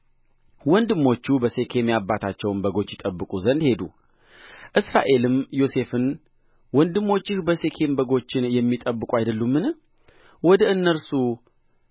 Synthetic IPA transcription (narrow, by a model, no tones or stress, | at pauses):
wɔnd̪ɨmːo̞t͡ʃːubəse̞kʰe̞mjabːat̪ʰat͡ʃːɛwmbəɡo̞t͡ʃːjɪt̪ʼəbːɨkʼuzənd̪he̞d̪ṵ | ʔɨsɾa̰ʔe̞lɨmjo̞se̞fɨn | wɔnd̪ɨmːo̞t͡ʃːɪhbəse̞kʰe̞mbəɡo̞t͡ʃːɪnjɛmːit̪ʼəbːɨkʼuajd̪əlːumːɨn | wɔd̪əɨnːəɾsu